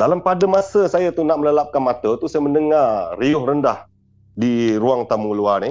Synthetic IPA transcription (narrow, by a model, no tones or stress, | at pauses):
dalampadamasəsajat̪unaʔ̚mələlap̚kanmat̪ət̪usajaməndəŋariʊhrəndah | diɾuaŋt̪amuluanɪ